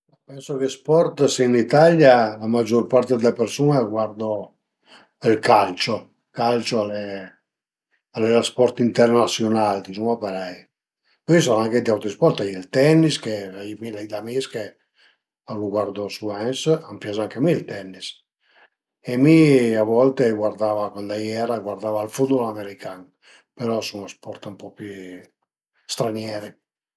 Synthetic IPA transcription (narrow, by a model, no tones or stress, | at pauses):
apɛnsokespɔrt̪sinit̪aljalamad͡ʒːorpaɾt̪ed̪elepeɾsuːneɡward̪o | ilkalt͡ʃo | kalt͡ʃoale | alːeaspɔɾt̪int̪ɛrnasjonald̪isumapaɾɛj | pɔis̬ɔnaŋked̪iawt̪ɾispɔɾt̪ajilt̪ɛnːiskeaimilɛd̪amiske | aluɡwaɾd̪ɔsuɛnsampjazaŋkemilt̪ɛnːis | ɛmiavɔlt̪eɡwaɾd̪avakwand̪ajɛɾaɡwaɾd̪avalfud̪̚bɔlameɾikan | pɛɾɔsuŋaspɔɾt̪umpɔpi | st̪ɾanjɛːɾe